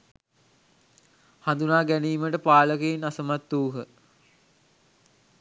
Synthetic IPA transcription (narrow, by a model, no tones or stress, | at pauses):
hand̪unaːɡæniːməʈəpaːləkeːnasəmat̪ːuːɦə